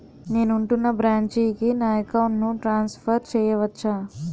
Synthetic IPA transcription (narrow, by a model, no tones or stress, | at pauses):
ne̞ːnuɳʈunːɐbɾaːɲt͡ʃiːkinaːjɐkɐwɳnuʈɾaːnspʰɐɾt͡ʃɛːjɐʋɐt͡ʃːaː